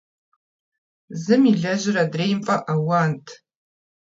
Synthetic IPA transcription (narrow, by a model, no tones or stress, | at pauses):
zɨmiɮaʒɪɾadrejmfʼaʔawantʼʰ